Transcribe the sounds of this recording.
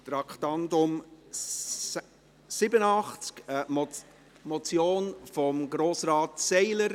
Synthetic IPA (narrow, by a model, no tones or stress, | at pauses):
t̪ɾɑkχt̪ɑndʊm | sɪbənɑχt͡skə | mɔt͡sjoːnfɔmɡɾoːsɾɑːtsɛɪləɾ